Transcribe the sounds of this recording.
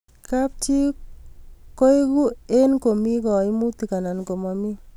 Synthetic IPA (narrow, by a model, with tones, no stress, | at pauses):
ka˦p̚t͡ʃi˦ | ko˦i˦ɡu˦e˦nko˨mi˦kɔ˨i˦mu˦t̪i˨ka˨na˨nko˨mɔ˨mi˦